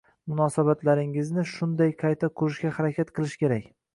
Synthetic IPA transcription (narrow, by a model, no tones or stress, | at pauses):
mʊnɒsabat̪laɾɪŋɪznɪʃʊnd̪ajqʰɑjt̪ʰaqʰʊɾɪʃɡʲahaɾakʲʰat̪qʰɨlˠɪʃkʲe̞ɾakʲ